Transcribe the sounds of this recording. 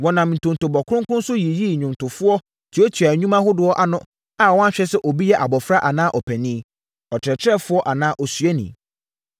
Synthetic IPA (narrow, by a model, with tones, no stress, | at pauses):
wɔ̃˨nã˨mn̩˨tʰʊ̃˨n˨tʊ˨bɔ˨kʰʊ˦ʊ̃˦ŋkʊ̃˦n̩˦sʊ˦ji˨ji˦˨ɲʊ̃˨n˨tʰʊ˨fʊ˦ɔ˦ | tʰi˨˦o˦tʰi˨a˨ɲũ˦mã˦ɦʊ˦dʊ˨ɔ˦ʔa˨nʊ̃˦ | a˨wɔ̃˦ã˦ɕᶣɛ˦sɛ˦ʔɔ˨bi˦jɛ˦ʔa˨bɔ˨fɾa˦ʔa˨nãː˦ʔɔ˨pʰæ˨nĩ˦ | ɔ˨t͡ɕʰɪ˨ɾɛ˨t͡ɕʰɾɛ˦fʊ˦ɔ˦ʔa˨nãː˦ʔɔ˨sɥɛ˦nḭ̃˨